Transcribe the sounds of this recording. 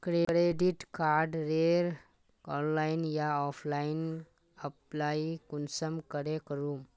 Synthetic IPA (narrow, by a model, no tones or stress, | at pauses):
kɾekɾeɖiʈkaɾɖɾeɾ | ɔnlainjaɔpʰlain | əplaikunsəmkəɾekəɾum